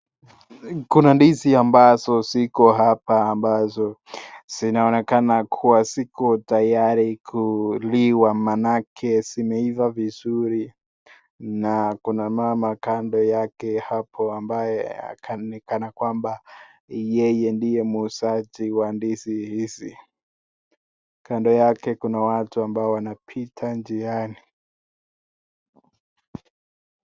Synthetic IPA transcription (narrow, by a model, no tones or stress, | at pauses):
kunandiziambazɔsikɔɦapaːmbazɔz̥inaɔnɛkanakʰuwasikɔtajaɾikʰuliwamanakʰɛsimɛivavizuɾi | nakunamamakandɔjakɛhapʰɔambajɛa̰kʰanɛkanakwamba | jɛjɛndijɛmuːsat͡ʃiwandisihisḭ | kandɔjakɛkunawatuambaɔwanapʰitʰand͡ʒiani